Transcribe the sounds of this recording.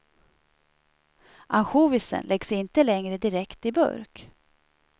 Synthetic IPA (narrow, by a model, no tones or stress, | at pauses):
ʔanɧuːvɪsə̰nlʔɛɡsɪnt̪əlɛŋɾəd̪ɪɾɛkt̪ɪbɵ̰ɾk